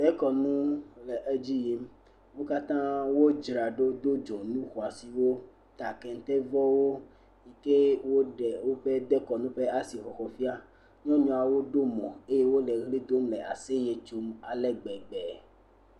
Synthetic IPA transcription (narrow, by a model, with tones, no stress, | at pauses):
d̪ɛ˦kɔ˨nũ˦lɛ˨ʔe˦d͡ʑi˦ji˦m | wo˦ka˦t̪ã˦wo˦d͡ʒɾa˨ɖo˦d̪o˦d͡ʒɔ˨nũ˦xo˨a˨si˨wo˦ | t̪a˨kɛ˨n˦t̪ɛ˦vɔ˦wo˦ | i˨ke˦wo˦ɖɛ˨wo˦ɸe˦d̪ɛ˦kɔ˨nũ˦ɸɛ˦a˦si˨xɔ˨xɔ˨fi˦a˦ | ɲɔ̃˦ɲɔ̃˨a˨wo˦ɖo˦mɔ̰̃˨e˦je˦wo˦lɛ˨ɣli˦d̪o˦mlɛ˨a̰˨se˦je˨t͡ʃo˦ma˨lɛ˦ɡ͡bɛ˨ɡ͡bɛ˨